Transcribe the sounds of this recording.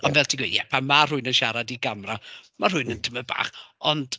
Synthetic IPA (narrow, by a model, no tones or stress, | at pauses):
ɔnvɛlˠtʰiɡwḛːdjɛ̰pʰamːar̥ʊɨnənʃaɾadiɡamramar̥ʊɨnəntʰəməba̰ːχɔnd̥